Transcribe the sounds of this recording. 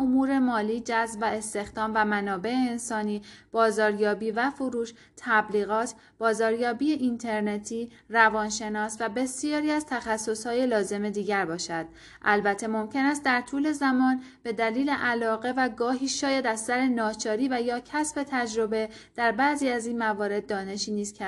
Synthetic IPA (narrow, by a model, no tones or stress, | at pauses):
omuːɾe̞mɒːliːd͡ʒæzbvæe̞st̪e̞xd̪ɒːmvæmænɒːbe̞eːnsɒːniːb̥ɒːzɒːɾjɒːbiːvæfoɾuːʃ | t̪ʰːæbliːɣɒːt̪ʰ | b̥ɒːzɒːɾjɒːbiːeʔint̪ʰe̞ɾnet̪ʰiː | rævɒːnʃe̞nɒːsvæbe̞sijɒːɾiːæzt̪ʰæxæsːo̞shɒːje̞lɒːze̞me̞d̪iːɟæɾbɒːʃæd̪̥̚ | ʔælbæt̪ʰːe̞mo̞mcʰe̞næst̪̚d̪æɾt̪ʰuːle̞zæmɒːnb̥e̞d̪æliːle̞ʔælɒːɣe̞væɡɒːɦiːʃɒːjæd̪æzsæɾe̞nɒːt͡ʃʰɒːɾiːvæjɒːcʰæsbe̞t̪ʰæd͡ʒɾo̞be̞d̪̥æɾbæziːæziːnmævɒːɾe̞d̪̚ːɒːne̞ʃiːniːz̥kʰæ